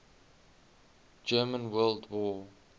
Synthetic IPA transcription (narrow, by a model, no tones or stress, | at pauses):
d͡ʒɜːmə̃nwɜːldwɔ